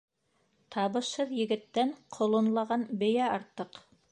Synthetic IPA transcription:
t̪ɑβɤ̆ʃhɤðjɘ̆ɡɘ̆t̪ːæɴqʰŏlˠɤ̆nlˠɑʁɑnbɘ̆jæɑɾt̪ːɤq

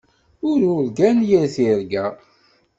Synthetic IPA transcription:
ʊɾʊɾɡænjæθiɾɡæ

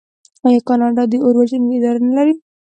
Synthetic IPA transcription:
ajɑkɑnɑɖɑd̪əʔoɾwad͡ʒənɪd̪ɑɾanalaɾi

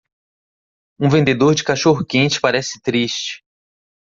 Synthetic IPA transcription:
ũvẽnd̪ed̪oɾd͡ʒɪkaʃoɦʊkẽnt͡ʃɪ̥paɾɛsɪ̥t̪ɾiʃt͡ʃɪ̥

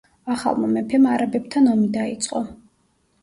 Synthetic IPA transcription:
aχa̰lˠmɔmɛpʰɛmaɾabɛb̚t̪ʰanɔmid̪ait̪sʼqʼɔ

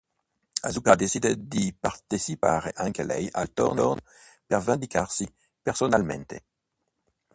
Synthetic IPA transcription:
a̰zukad̪esid̪ed̪ipaʁt̪esipaːʁeʔaŋkelɛ̰ja̰lt̪o̰ʁnon | peʁvand̪ikʰaʁsi | peʁsonalmḛnt̪e

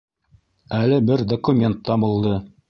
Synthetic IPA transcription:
ælɘbɘɾd̪okumʲe̞nt̪ːɑbulˠd̪ɤ

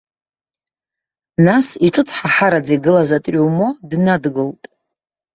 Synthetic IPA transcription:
nasiʈ͡ʂʼɨt͡sʰʼħaħaɾad͡zejɡɨlazatʼʷowmodnadɡɨltʼ

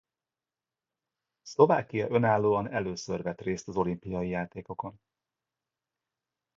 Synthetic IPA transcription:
slo̞va̰ːkijɒʔø̞naːlːoːɒnɛløːsørvɛt̪reːst̪ɒzo̞limpijɒjijaːt̪eːko̞ko̞n

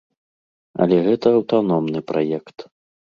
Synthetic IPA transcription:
ɐ̰lʲɛɣɛt̪ɐːwt̪anɔmnɨpɾʔajɛkt̪

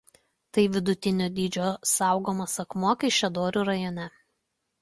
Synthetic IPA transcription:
t̪ɐɪʋʲɪd̪ʊt̪ʲɪnʲoːd̪ʲiːd͡ʒʲoːsɑˑʊɡoːmɐsɐkmuɔkɐɪʃʲɛd̪oːɾʲuːɾɐjɔnʲɛ

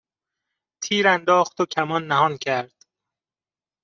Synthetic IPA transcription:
t̪ʰiːɾænd̪ɒːxt̪ocʰæmɒnːæɦɒːncʰæɾd̪̥

